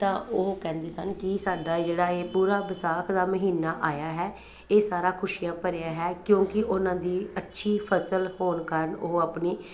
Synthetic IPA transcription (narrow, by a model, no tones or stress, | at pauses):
t̪ãːoːkɛ̃ːnd̪eːsənkɪsaːɖaːd͡ʒeːɽaːeːpuːɾaːbəsaːkʰd̪aːməɦiːnaːʔaːjaːɦɛː | eːsaːɾaːkʰʊʃijãːpəɾeːaːɦɛːkjõːkɪʔʊnãːd̪iːətːʃʰiːpʰəsəlhoːnkəɾənoːaːpniː